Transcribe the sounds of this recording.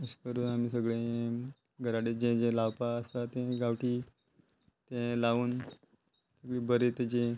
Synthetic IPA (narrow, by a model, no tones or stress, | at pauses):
əɕkəɾuːnam̤iːsəɡɭẽ | ɡʱəɾaɽed͡ʑẽd͡ʑẽlaʋpaəst̪at̪ẽɡaʋʈiː | t̪ẽlaʋuːn | səɡɭiːbəɾet̪ɛd͡ʑẽ